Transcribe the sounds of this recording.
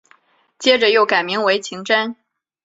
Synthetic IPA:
t͡ɕjɛ˥ʈ͡ʂə˨jo˥˩ʊka˨˩ɪmi˧˥ŋwe˧˥ɪt͡ɕʰi˧˥ŋʈ͡ʂa˥n

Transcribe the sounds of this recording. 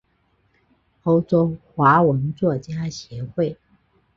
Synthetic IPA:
o˥ʊʈ͡ʂo˥ʊxwa˧˥wə˧˥nt͡swɔ˥˩t͡ɕja˥ɕjɛ˧˥xwe˥˩ɪ

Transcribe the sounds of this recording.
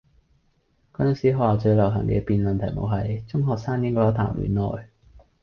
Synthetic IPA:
kɔ˥n˧˥ŋsiː˨˥ɦɔː˨aː˨˩t͡sɵ˧ɥlɐ˨˩wɦɐ̰˨˩ŋkɛ̰ː˧piː˨˧nmɐ˨nt̪ʰɐ˨˩jmo̰˨˧wɦɐ˨jt͡sʊ˥ŋɦɔː˨k̚saː˥ŋjɪ˥ŋkɔː˧˥jɔː˨˧˥t̪ʰa̰ː˨˩mɥy̰ː˨˦nlɔ̰ː˨j

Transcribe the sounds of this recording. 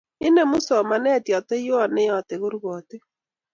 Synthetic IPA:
ɪ˦ne˦˨mu˦sɔ˨ma˨nɛ˦˨tjɔ˨tɛ˦jo˦a˨ne˦jɔ˨te˨ɣo˦ɾu˦ɣɔ˨te˦

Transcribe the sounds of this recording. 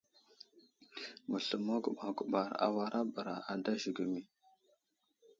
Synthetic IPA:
mu˨ɬə˨mo˦ɡu˨ɓa˨ɡu˨ɓa˨ɾa̰˨wa˦ɾʔa˦bə˨ɾa˨a˨da˦ʒi˨ɡu˨mi˦

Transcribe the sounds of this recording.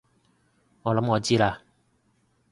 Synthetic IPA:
ŋɔː˨˧lɐ˨˥mŋɔː˨˧t͡siː˥laː˧

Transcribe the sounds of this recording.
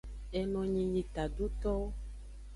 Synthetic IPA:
e˨nɔ̃˨ɲĩ˨ɲĩ˨t̪a˨ɖo˦t̪ɔ˦

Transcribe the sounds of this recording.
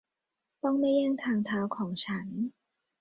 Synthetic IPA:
t̪ɔ˥˩ŋnɛː˥˩jaː˥˩ŋt̪ʰaː˧ŋt̪ʰaː˦˥wkʰɔː˩˦ŋt͡ɕʰa˦˥n

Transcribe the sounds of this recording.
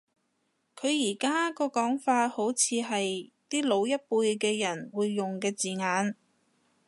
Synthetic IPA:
kʰɵ˨˧ɥjiː˨˩kaː˥kɔː˧kɔː˨˥ŋfaː˧t̚ho˨˥wt͡sʰiː˨˧ɦɐ˨jt̪iː˥lo˨˧wjɐ˥t̚puː˧jkɛː˧jɐ˨˩nwuː˨˧jːʊ˨ŋkɛː˧t͡siː˨ŋaː˨˧n

